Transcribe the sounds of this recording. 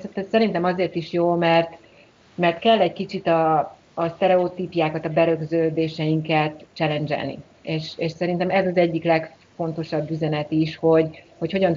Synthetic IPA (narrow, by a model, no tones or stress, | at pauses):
sɛt̪ːɛssɛɾint̪ɛmɒzeːrt̪iʃjoːlmɛrt̪ | mɛrt̪kɛlːɛɟkit͡ʃit̪ɒː | st̪ɛɾɛot̪iːpjaːkɒt̪ɒbɛɾøɡzøːd̪eːʃɛjiŋkɛt̪t͡ʃɛlɛnd͡ʒɛ̰lnḭ | eːʃeːʃsɛɾint̪ɛmɛzɒzɛɟːiklɛkfo̞n̪t̪o̞ʃɒbːyzɛnɛt̪iʃho̞ɟho̞cho̞ɟɒn